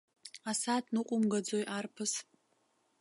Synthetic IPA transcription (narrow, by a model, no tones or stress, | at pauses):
asatʰʼnɨqʷʼʊmɡad͡zojʔarpʰɨs